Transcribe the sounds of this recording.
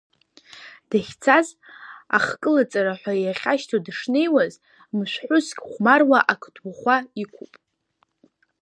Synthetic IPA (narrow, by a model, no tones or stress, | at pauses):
d̥aχʲt͡sʰaz | a̰χkʼɨlat͡sʼaɾaħʷᶣajaχʲaʃtʰadʂnejwaz | mʃʷᶣħʷʊskʲʼχʷmarwaʔakʷʰdʰwuχʷaikʷʰupʼ